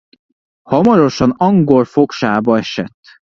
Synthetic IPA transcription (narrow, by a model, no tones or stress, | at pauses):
hɒmɒɾo̞ʃɒnɒŋɡo̞lfo̞kʃaːbɒɛʃɛt̪ː